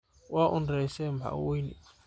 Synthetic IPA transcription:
waʔunɾɛsɛmbʱa̰wunḭ

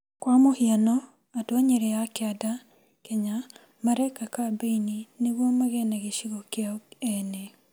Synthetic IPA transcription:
kwamohianɔ | adoaɲeɾejakeada | keɲa | maɾekakabeinineβwɔmaɣɛnaɣeʃiɣɔkeaɛnɛ

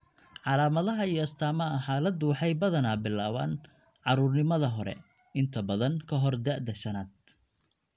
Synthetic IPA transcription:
ʕɑlaːmɐðɐɦɐijɐst̪ʰaːmɐɐħaːlɐd̪uwħɑjbɐðɐnaːbɪlːaːβa̰ːn | ʕɑɾʊːrnɪmɐðɐɦɔɾɛ̰ | ɪnt̪ʰɐbɐðɐŋkʰɐɦɔrd̪aʔd̪ɐʃɐnaːd̪̚

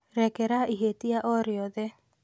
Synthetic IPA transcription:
ɾɛkɛɾaʔiɦetiaʔɔɾjɔðɛ

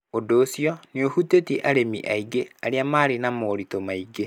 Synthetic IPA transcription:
odoːsiɔneohuteteʔaɾemḭʔaiɡeaɾeamaɾenamoːɾitomaiɡe

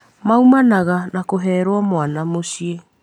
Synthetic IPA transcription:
mawmanaɡanakoɦeɾoamoanamosie

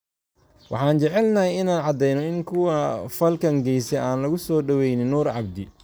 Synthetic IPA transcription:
wʔɑ̰ħɑːnt͡ʃɛʕɛlnɐɦɛjɪnaːnʕɑd̪ɛjnɔɪŋkʰʊwɐfɐlkʰɐŋɡɛjsɛaːnlɐɣʊsɔːɖɐwɛjnɪnːuːrʕɑ̰b̚d̪ɪ

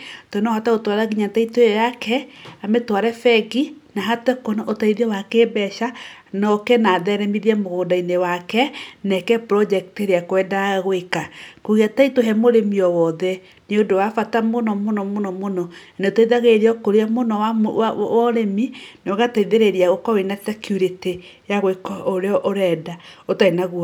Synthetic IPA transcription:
tɔnɔhataɣotwaɾaɣiɲataitoeɔjakɛametwaɾɛfɛɡinaɦatɛkonaʔotaiðiɔwakeːbɛʃa | nɔkɛnaðɛɾɛmiðiɛmoɣoːdainewakɛnɛkɛpɾɔd͡ʒɛkteɾeakwɛːdaɣwekakoɣiataitoɦɛmoɾemiɔwɔðɛ | neondowafatamonɔmonɔmonɔmonɔneotaiðaɣeɾeɔkoɾeɔmonɔwaɔɾeminɣataiðeɾeɾiaɣokɔwenasɛkjuɾite | jaɣoekɔoɾeɔʔoɾɛːdaotainaɣuɔ

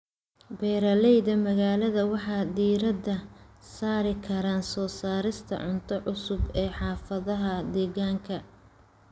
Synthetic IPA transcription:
bɛːɾɐlɛjðɐmɐɣaːlɐðɐwɑħɑːd̪iːɾɐd̪ɐsaːɾɪkʰɐɾaːnsɔːsaːɾɪst̪ʰɐ̰ʕʊnt̪ʰɔʕʊsʊbɛːħɑːfɐðɐɦɐd̪ɛːɣaːŋkʰɐ

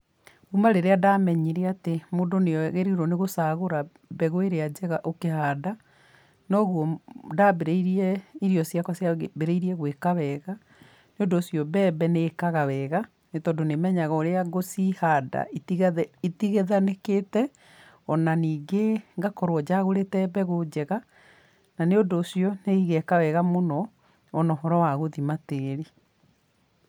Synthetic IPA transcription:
umaɾeɾeadamɛɲeɾeatemoːndonejɔɣeɾiɾwɔneɣosaːɣoɾa | bɛɣoeɾead͡ʑɛɣaʔokehaːda | nɔɣwɔdabeɾeiɾiɛiɾiɔsiakɔsjabeɾeiɾiɛɣwekaβɛːɣa | neondoːsjɔbɛbɛneːkaɣaβɛːɣa | netɔːdonemɛɲaɣɔoɾeaɡosihada̰ | itiɣeðanekeːtɛ | ɔnaniːɡeŋɡakɔɾwɔd͡ʑaɣoɾetɛbɛɣod͡ʑɛɣa | naneodoːsiɔneiɣekawɛɣamonɔ | ɔnɔɦɔɾɔwaɣoðimateːɾi

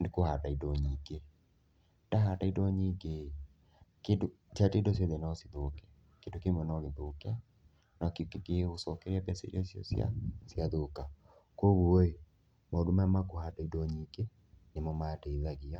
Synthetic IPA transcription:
nekohadaidɔɲiːɡe | daɦadaidɔɲiɡe | kedo | satedɔsjɔðenasiðokɛ | kendokemɔnaɣeðoka | nakekekeosɔkɛɾabɛsḛɾɔsjɔ̰sja̰sjaðoka | koɣuoe | maodomaamakohadaidɔɲiːɡe | nemɔmadeðaɣia

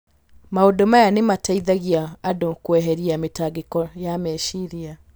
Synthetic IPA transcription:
maodomajanemataiðaɣiaːdokwɛɦɛɾiametaɡekɔjamɛʃiɾia

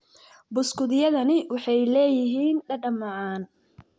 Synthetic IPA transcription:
bʊskʊðɪjɐðɐnɪwɑħɑjlɛːjɪɦiːnɖɐɖɐmɑʕaːn

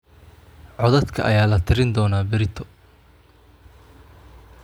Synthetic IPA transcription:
ʕɔðɐt̪kʰɐ̰ʔɐjaːlɐt̪ʰɪɾɪnd̪ɔːnaːbɪɾɪt̪ʰɔ

